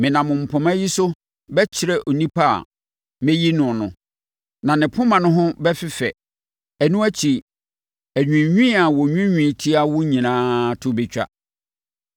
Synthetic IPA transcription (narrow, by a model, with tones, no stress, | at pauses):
mɪ̃˨nã˨mʊ̃˨m̩˨pʰɔ̃˨mã˦ji˦sʊ˦ | bɛ˦t͡ɕʰɪ˦ɾɛ˦ʔo˨nĩ˦pʰa˦˨a̰˨ | mẽ˦ji˦nʊ̃˨nʊ̃˨ | nã˨nɪ̃˨pʰʊ̃˦mã˨nʊ̃˦ɦʊ̃˦bɛ˦fɪ˦fɛ˨ | æ˨nũ˦æ˦t͡ɕʰi˨ | æ˨ɲᶣĩ˨ɲᶣĩ˦a˨wɔ˨ɲᶣũ˦ɲᶣĩ˨tʰi˦a˦wʊ˦ɲĩ˨nãː˦tʰʊ˦bɪ˨t͡ɕᶣa̰˦